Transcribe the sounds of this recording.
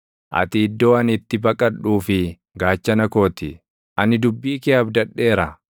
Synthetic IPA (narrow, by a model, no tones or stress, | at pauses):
ʔɐ̰t̪ɪːd̪ːo̞ːɐnɪt̪ːɪbɐkʼɐᶑuːfɪ | ɡaːt͡ʃːɐnɐko̞ːt̪ɪ | ʔɐnɪd̪ʊbːiːkɛɐbd̪ɐᶑːe̞ːɾɐ